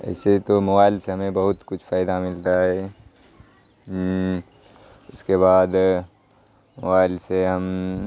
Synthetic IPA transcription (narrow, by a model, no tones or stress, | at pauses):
ɛ̰ːset̪omɐbaːɪlseɦɐmẽbɐɦʊt̪kʊt͡ʃʰfaːɪd̪amɪlt̪aɦɛː | ʊskeβaːd̪ | mɐbaːɪlseɦɐm